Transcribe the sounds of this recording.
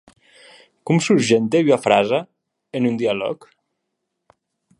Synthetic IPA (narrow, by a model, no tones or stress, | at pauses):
kumsuɾʒent̪eyafɾaza | enund̪ialɔ̰k